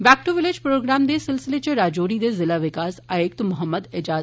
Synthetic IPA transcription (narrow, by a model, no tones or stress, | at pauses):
ʋæːk̚ʈuʋɪled͡ʒpɾoːɡɾaːmd̪esɪlsɪlet͡ʃeɾaːd͡ʒoːɾid̪ezɪlaʋɪkaːsaːek̚t̪mʊɦəmːəd̪ɪd͡ʒaː